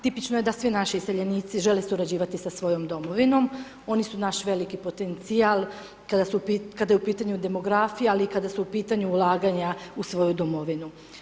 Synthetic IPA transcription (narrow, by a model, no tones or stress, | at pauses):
t̪ipit͡ʃnojed̪asʋinaʃiːseʎeniːt̪siʒe̞lesuɾad͡ʑiːʋat̪isasʋo̞jomd̪o̞moʋino̞m | o̞nisunaʃʋe̞likipo̞t̪e̞nt̪sialˠ | kad̪asupikad̪ajeupiːt̪aɲud̪e̞mo̞ɡɾaːfijaalikad̪asuupiːt̪aɲuːlˠaːɡaɲausʋo̞jud̪omo̞ʋinu